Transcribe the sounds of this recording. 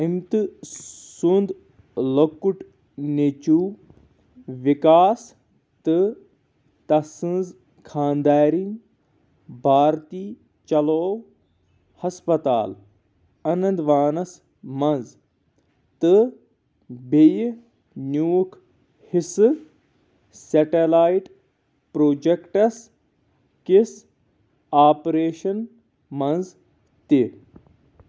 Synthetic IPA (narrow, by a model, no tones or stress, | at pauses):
imt̪ɨsund̪ | lokːuʈ | net͡ʃuː | ʋikaːs | t̪ɨ | t̪ɐsɨ̃nz | kʰaːnd̪aːɾiŋ | bʱaːɾt̪iː | t͡ʃɐloːw | hɐspɐt̪a̰ːl | ɐnɐ̃nd̪ʋaːnɐs | mɐnz | t̪ɨ | bʱej | njuːk | hisɨ | seʈelaːiʈ | pɾoːd͡ʒekʈɐs | kis | aːpɾeːʃɐn | mɐ̃nz | t̪i